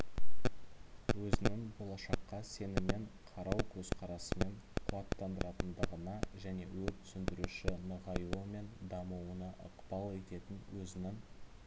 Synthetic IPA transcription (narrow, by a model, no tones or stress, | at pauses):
wɵzɪnɪŋbo̞lˠɑʃɑqːɑse̞nɪme̞ɴqʰɑɾɑwkʲʰɵzqʰɑɾɑsəme̞ɴ | qʰʊɑt̪ːɑnd̪əɾɑt̪ənd̪əʁənɑʒæne̞̰wɵt̪ʰʏ̥sɪnd̪ɪɾuʃɪnəʁɑjuəme̞nd̪ɑmuwənɑʔəqpɑlˠe̞t̪e̞t̪ɪnwɵzɪnɪŋ